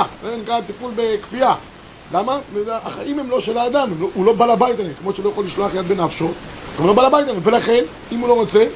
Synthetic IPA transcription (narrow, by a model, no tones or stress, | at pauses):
enikat̪ipulbe̞kfija | lamameaaχaʔimhemlo̞ʃelaːd̪amemloulo̞balabajt̪alemkmo̞ʃeulojaχolːiʃloaχjat̪benafʃo̞t̪ɡamlo̞balabajt̪alemve̞laχe̞n | imulo̞ʁot͡se̞